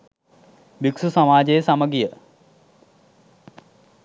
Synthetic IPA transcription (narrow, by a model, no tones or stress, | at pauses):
biksusamaːd͡ʑejəsaməɡijə